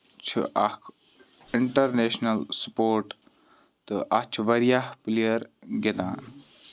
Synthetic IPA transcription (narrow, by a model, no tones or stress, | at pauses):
t͡ʃʰṵʔɐkʰ | ɪɳʈɐɾneːʃnɐlsɐ̥poːɾʈ | t̪ɨʔat͡ʃʰʋɐɾijahplijɐɾɡet̪ã̰ːn